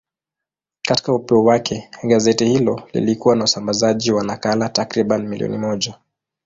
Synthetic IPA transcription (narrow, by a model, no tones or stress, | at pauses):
kati̥kaupɛɔwakʰɛɠazɛtihilɔlḭlikuwanausambazaʄiwanakalatakɾiɓanimiliɔ̰nimɔʄa